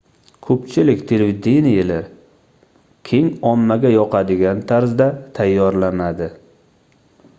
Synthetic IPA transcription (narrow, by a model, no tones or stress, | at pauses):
kʰɵpt͡ʃʰɪlɪkʲt̪ʰe̞levid̪enijalaɾ | kʲʰe̞ŋɒmːaɡʲajɒqʰɑd̪ɪɡʲant̪ʰaɾzd̪at̪ʰajːɒɾlanad̪ɪ